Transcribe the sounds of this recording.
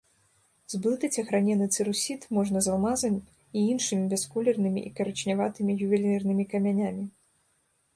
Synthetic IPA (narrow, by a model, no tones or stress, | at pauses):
zblˠɨt̪ɐt͡sʲɐxɾanʲɛnɨt̪sɨɾusʲit̪mɔʐnɐzalˠmazɨmʲ | iinʂɨmʲibʲɛskulʲɛrnɨmʲḭʔikɐɾɐt͡ʃnʲavat̪ɨmʲijuvʲɛlʲɛrnɨmʲikɐmʲanʲamʲi